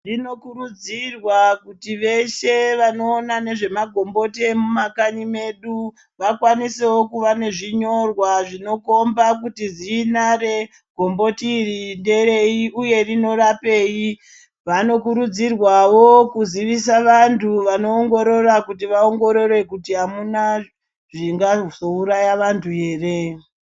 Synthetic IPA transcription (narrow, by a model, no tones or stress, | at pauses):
rino̞kuɾud͡zirwakutiʋe̞ʃe̞ʋano̞ːnane̞ʐe̞maɡʱo̞mbo̞te̞mumakanime̞ɗu | ʋakwanisewo̞kuʋane̞ʐiɲo̞rwaʐino̞ko̞mbakutizinare̞ | ɡ̥ʱo̞mbo̞tiːrinde̞ɾe̞iʔuje̞rino̞ɾape̞ji | ʋano̞k̬uɾud͡zirwawokuziʋisaʋantʰuʋano̞ːŋɡo̞ɾo̞ɾakutiʋaoŋɡo̞ɾo̞re̞kutiɦamuna | ʐiŋɡazouɾajaʋantʰue̞ːre̞